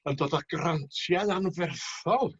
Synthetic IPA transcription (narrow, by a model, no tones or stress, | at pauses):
əndoːdaɡ̥rantʰjaðanvɛrθɔlˠ